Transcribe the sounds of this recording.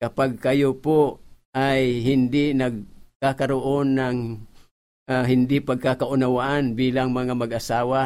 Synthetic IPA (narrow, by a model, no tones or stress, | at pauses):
kɐpaɡ̚kɐjopoʔajhɪnd̪ɪnɐɡ̚kakɐɾoʔonːaŋ | aɦɪnd̪ɪpɐɡ̚kakaʔʊnawaʔanbiːlaŋmɐŋamɐɡʔasaːwa